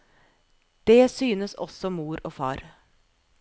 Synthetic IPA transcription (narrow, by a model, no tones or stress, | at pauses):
d̪̥eːsyːnəsɔ̰sɔmuːɾoːfɑ̰ːɾ